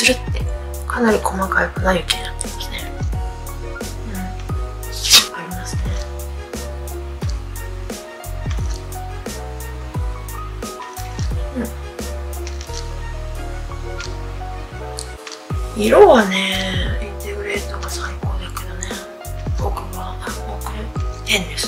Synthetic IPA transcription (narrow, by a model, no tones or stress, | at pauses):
sɨɾɯ̟t̪ːe̞ | kʰanaɾʲikʰo̞makaikɯnaikenat̪ːeimḁsɨ̥ne | ɯ̟̃ɴ | aɾʲimasɨne | ɯ̃ | iɾoːβaneint̪eɡɯ̟ɾeɾɯt̪okasãŋikoːd̪eked̪one | bokɯβaokɯ̟ɾt̪ẽnd̪es